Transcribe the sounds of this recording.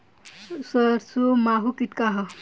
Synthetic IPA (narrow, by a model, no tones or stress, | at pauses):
sʌɾsʰumaɦukit̪kaɦʌ